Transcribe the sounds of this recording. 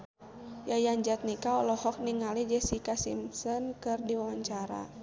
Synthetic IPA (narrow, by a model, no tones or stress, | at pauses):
jajaɲd͡ʒat̪̚nikaɔlɔhɔk̚niŋalid͡ʒɛsikasḭmsɔnkɨrdiwawaɲt͡ʃaɾa̰